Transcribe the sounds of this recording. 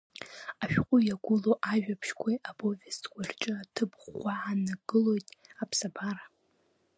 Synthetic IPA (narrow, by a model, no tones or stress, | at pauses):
aʃᶣqʷʼʊjaɡʷʊloʔaʒᶣapʰʃkʷʰaabovestɡʷart͡ʃʼɨatʰɨpχʷaʕanaɡɨlo̞jtʼapʰsabaɾa